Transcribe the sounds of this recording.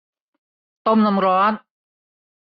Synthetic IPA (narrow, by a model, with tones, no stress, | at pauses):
t̪o˥˩˨mna˧mɾɔː˦˥t̪̚